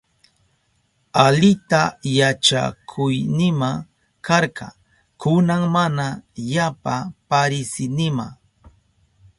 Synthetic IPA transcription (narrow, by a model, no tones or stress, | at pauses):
alɪt̪ajat͡ʃa̰kʰʊjnɪma | kɑɾkɑ̰ | kʊnaŋmanajapapaɾɪsɪnɪma̰